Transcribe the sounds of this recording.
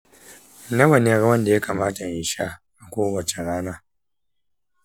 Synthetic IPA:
nɐ˦wɐ˨n˨e˦ɾwɐ˦nda˨ja˦kaː˨maː˦ta˨ʔɪ˨ʃaː˦ʔa˨kʷoː˦wɐ˨t͡ʃe˨ɽaː˦naː˦

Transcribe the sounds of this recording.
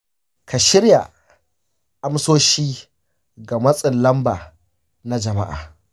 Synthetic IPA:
kʰa˨ʃɪ˦ɾja˨ | ʔa˦msoː˦ʃiː˦ | ɡa˨mɐ˦sʼɪ˨nlɐ˦mbaː˨ | na˦d͡ʒɐ˨ma̰˦ʔa̰ː˨

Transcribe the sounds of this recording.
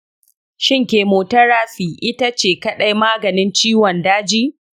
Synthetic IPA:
ʃɪ˦˨ŋkʲeː˨moː˨tɐ˦ɾaː˦ɸiː˨ʔɪ˦ta˦t͡ʃeː˨kɐ˦ɗa˦jmaː˦ɡɐ˨nɪ˦nt͡ʃiː˦wɐ˨ndaː˦d͡ʒiː˦

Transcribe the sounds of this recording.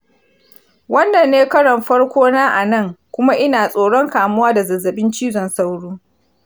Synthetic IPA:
wɐ˦nːɐ˨nːeː˦kɐ˦ɽɐ˨mɸɐ˦ɽkʷoː˦naː˦ʔa˨nɐ˦˨ŋkʷʊ˦ma˦ʔɪ˦naː˨sʼoː˨ɽɔ˦ŋkaː˨mʊ˦waː˦da˨zɐ˨zɐ˨ɓɪ˦nt͡ʃiː˦zɔ˨nsa˦wɽuː˦

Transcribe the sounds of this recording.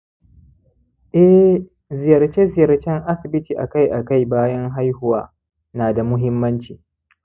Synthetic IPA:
ʔɛ˦ | zɪ˨jɐ˨rt͡ʃe˦zɪ˨jɐ˨rt͡ʃɛ˦ŋʔa˦sɪ˨bɪ˦tiː˨ʔa̰˨ka˦jʔa˨ka˦˨jbaː˦jɐ˦ŋɦa˦jhʊ˨waː˦ | naː˨da˨mʊ˦ɦɪ˦mːɐ˦nt͡ʃiː˨

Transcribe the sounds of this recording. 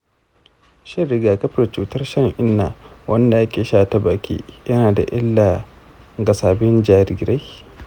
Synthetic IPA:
ʃe˦˨ɾɪ˨ɡaː˨kɐ˦ɸɪ˨ɾt͡ʃuː˨tɐ˦rʃɐ˦ŋʔɪ˦nːa˨wʔɐ˦nda˨ja˦kʲeː˨ʃaː˦ta˨baː˨kʲḭː˦jɐ˦naː˨da̰˨ʔɪ˦lːa˨ | ɡɐ˨saː˨bɪ˦nd͡ʒaː˨ɾi˨ɡɾa˦j

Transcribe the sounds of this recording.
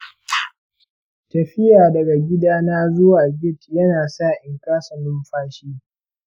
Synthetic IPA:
tɐ˨ɸɪ˦jaː˨dɐ˨ɡa˨ɡʲɪ˦daː˦naː˦zʊ˦waː˨ɡʲɪ˦˨tjɐ˦naː˨saː˦˨ʔɪ˨ŋkaː˦sɐ˨nʊ˦mɸaː˦ʃiː˦

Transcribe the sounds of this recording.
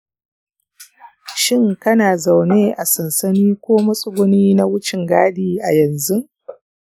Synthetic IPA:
ʃɪ˦ŋkɐ˦naː˨za˨wneː˦ʔa˨sɐ˨nsɐ˦niː˦kʷoː˦mɐ˦sʼʊ˦ɡʷʊ˦niː˦na˦wʊ˦t͡ʃɪ˨ŋɡaː˦diː˦˨ʔa˨jɐ˨nzu˦

